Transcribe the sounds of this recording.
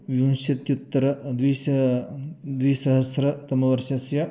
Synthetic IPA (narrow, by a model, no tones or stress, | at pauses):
ʋiunɕɐt̪jut̪ːɐɾɐd̪ʋis | d̪ʋiːsɐɦɐsɾɐt̪ɐmɐʋɐɾʃɐsjɐ